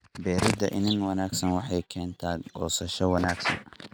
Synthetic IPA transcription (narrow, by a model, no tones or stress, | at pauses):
bɛːɾɪd̪ɐʔɪnɪnwɑnaːɡsɐnwɑħɑjkʰɛːnt̪ʰaːɡɔːsɐʃɔwɑnaːɡsɐ̰nɐ